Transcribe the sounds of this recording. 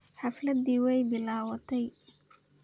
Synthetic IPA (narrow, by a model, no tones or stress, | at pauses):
ħɑflɐd̪iːwɛjbɪlaːwɐt̪ʰɛj